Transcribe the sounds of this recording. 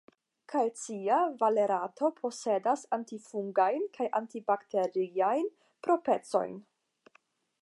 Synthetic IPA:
kʰajt͡siavaleɾatʰo̞pʰo̞se̞dasantifuŋɡajnkʰajʔantibaktʰe̞ɾiajn | pɾo̞pe̞t͡so̞̰jn

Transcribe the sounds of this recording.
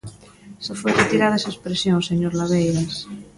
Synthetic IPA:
sefweret̪iɾaðaesaespɾesjõnseɲoɾlaβejɾas

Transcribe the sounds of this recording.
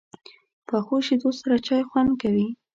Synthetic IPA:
pəxoʃid̪ossaɾat͡ʃɑjxwand̪̚kawi

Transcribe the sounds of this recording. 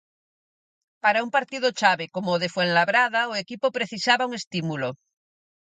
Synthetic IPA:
paɾaumpaɾt̪iðot͡ʃaβekomoðefweŋlaβɾaðaoekipopɾeθisaβauŋe̞st̪imulo

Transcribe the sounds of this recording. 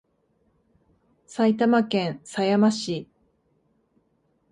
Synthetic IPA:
sait̪amakẽɰ̃sajamaɕi

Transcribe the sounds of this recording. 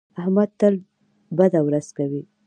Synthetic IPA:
ahmad̪̚t̪əl | bad̪awɾaz̥kawi

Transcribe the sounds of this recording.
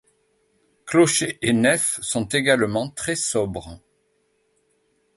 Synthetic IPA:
klɔʃeʔenɛfsɔ̃t̪eɡalmɑ̃t̪χɛsɔbʁ

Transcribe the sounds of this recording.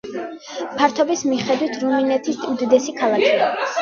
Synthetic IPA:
pʰaɾt̪ʰɔbismiχɛd̪wit̪ʰɾuminɛt̪ʰist̪ʼiud̪ɛd̪ɛsikʰalˠakʰia

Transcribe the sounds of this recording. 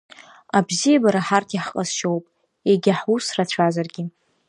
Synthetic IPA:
abzijabaɾaħartʰiħqʼaz̥ʃo̞wpʼ | eɡʲaħusrat͡ɕʷʰazarɡʲɪ

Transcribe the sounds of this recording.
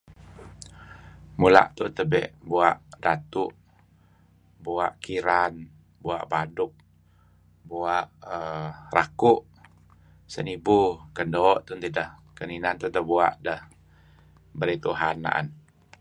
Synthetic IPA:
mula̰ʔt̪ut̪əbɛ̰ʔbuaʔdat̪uʔ | buaʔkiɾan | bua̰ʔbadʊk̚ | buaʔərakʊʔ | sə̰nibukəndoːʔt̪unt̪idəhkəninant̪unt̪əbuaʔdəh | bəɾit̪uɦana̰n

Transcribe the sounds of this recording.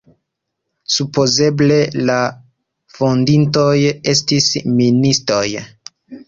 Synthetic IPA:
supo̞ze̞ble̞la | fondinto̞je̞stisministɾo̞̰j

